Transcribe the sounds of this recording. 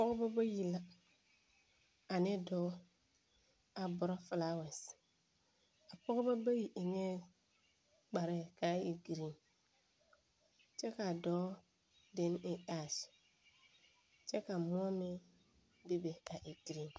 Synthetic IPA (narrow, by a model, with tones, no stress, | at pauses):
a˨pɔ˦ɡʊ˦ba˦ba˦ji˨la˦ | a˨nɪ˦dɔː˦ | a˨bʊ˨ɾɔ˦fɪ˨la˦wɛ˨s | a˨pɔ˦ɡʊ˦ba˦ba˦ji˨ʔɪ˨ŋe˦ | ɡ͡ba˨ɾɛ˦˨ka˦i˨ɡi˨ɾi˨n | t͡ʃɛ˦ka˨dɔː˦ | dɪ˦n˦ɪ˨ʔa˨s | t͡ʃɛ˦ka˨mʊ˦ɔ˦mɪ˦ | bi˦be˨ka˨ʔi˨ɡi˨ɾi˨n